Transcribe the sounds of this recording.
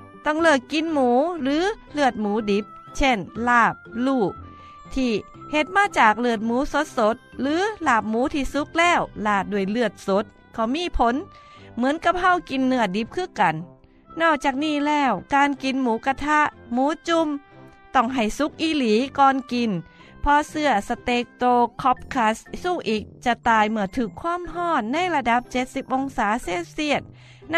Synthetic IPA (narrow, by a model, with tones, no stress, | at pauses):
t̪ɔ˧˩ŋlɯː˧˩k̚kːi˧˨nmuː˨˦lɯː˨˦ | lɯ˧˩ət̪̚muː˨˦di˨˦p̚ | t͡ɕʰe˧˩nlaː˧˩p̚luː˧˩ʔ | t̪ʰiː˧˩ | he˧˦t̪̚maː˧˥˨t͡ɕaː˨˩k̚lɯ˧˩ət̪̚muː˨˦so˧˦˥t̪̚so˧˦t̪̚lɯː˨˦laː˧˩p̚muː˨˦t̪ʰiː˧˩su˧˦k̚lɛː˧˥˩wlaː˧˩t̪̚duː˧˩əjlɯ˧ət̪̚so˨˦˥t̪̚ | kʰɔ˧˩miː˧˥˨pʰo˧˦˥n | mɯ˨˦ənka˧˥p̚ha˧˩wki˨nːɯ˧˩ədi˨˦p̚kʰɯː˧˥˨ka˨˩nː | ɔː˧˩t͡ɕaː˧˩k̚niː˧˩˨lɛː˧˩wkaː˧nki˨nmuː˨˦ka˧t̪ʰa˧˥ʔmuː˨˦t͡ɕu˧m | t̪ɔ˧˩ŋɦa˨˩jsu˧˦˥k̚ʔiː˧˩liː˨˦kɔː˧nki˨˩npʰɔ˧sɯ˧ɐsa˧t̪eː˧˦k̚t̪oː˧kʰɔ˧˥p̚kʰa˧˥ssuː˧˩ʔiː˨˩k̚t͡ɕa˧t̪aː˧˩jmɯ˧˩ɐt̪ʰɯː˧˩kʰːwaː˧˥˨mɦɔː˧˩nːa˧˥˨jla˧da˧˦p̚t͡ɕe˧˦t̪̚si˧˦p̚ʔo˧ŋsaː˨˦seː˧˥˩t̪̚si˧˩ət̪̚